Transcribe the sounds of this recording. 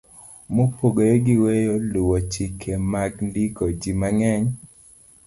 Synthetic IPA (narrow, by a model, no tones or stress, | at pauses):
mopoɡoɾeɡiwejoluwot͡ʃikʰemaɡndikod͡ʒimaŋɛɲ